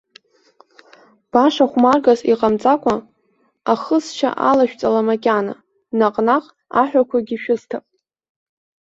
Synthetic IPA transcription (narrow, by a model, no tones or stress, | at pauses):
b̥aʂaχʷmarɡaziqʼamt͡sʼakʷʼa | aχəst͡ʃʰa̰ʔalaʃᶣt͡sʼalamakʲʼana̰ | naqʼnaqʼ | aħʷᶣakʷʰaɡʲiʃᶣʊztʰapʼ